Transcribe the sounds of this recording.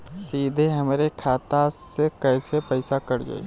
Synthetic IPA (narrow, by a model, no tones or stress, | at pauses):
siːd̪ʱeɦɐmɾekʰaːt̪asekəːsepəɪsakəɾd͡ʒa̰ːḭ